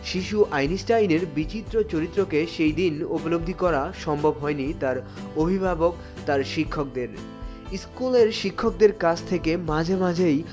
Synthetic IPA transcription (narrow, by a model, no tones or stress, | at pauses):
ʃiʃuʔajnisʈajneɾbit͡ɕit̪ːɾot͡ɕoɾit̪ːɾokeʃejd̪inopolob̚d̪ʱikɔɾaʃɔmbʱobɦɔenit̪aɾ | obʱibʱabok̚ | t̪aɾʃikʰːok̚d̪eɾ | iskuleɾʃikʰːok̚d̪eɾkat͡ɕʰt̪ʰekemãd͡ʑʱemãd͡ʑʱej